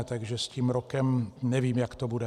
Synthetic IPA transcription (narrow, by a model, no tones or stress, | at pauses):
t̪aɡʒɛst̪iːmɾɔkɛmɲɛʋɪimjakt̪ɔbud̪ɛ